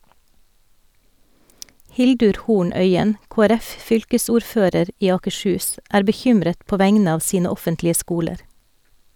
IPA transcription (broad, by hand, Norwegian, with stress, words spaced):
ˈhɪldʉɾ ˈhuːɳ ˈœʏən koːæˈɾɛfˌfʏlkəsuːɾˌføːɾəɾ ˈʔiː ɑːkəʃˈhʉːs ˈʔæːɾ bəˈçʏmɾət ˈpoː ˈʋæŋnə ˈɑːʋ ˈsiːnə ˈɔfəntlɪə ˈskuːləɾ